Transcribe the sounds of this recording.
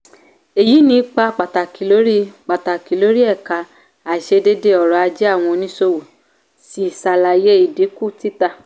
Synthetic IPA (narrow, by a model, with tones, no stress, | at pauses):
e˨ji˨˦nĩ˧˦k͡pa˧k͡pa˨ta˨ki˨lo˨˦ɾi˦k͡pa˨ta˨ki˨lo˦ɾi˦ɛ˦˨ka˧ | a˨ʃe˧de˦de˧˦ɔ˨ɾɔ˨˦a˧d͡ʒe˦a˦˨w̃ɔ̃˧nĩ˦so˧wu˨ | si˨˦˨sa˧la˨˧je˦i˨de˨˦ku˦ti˦ta˦˨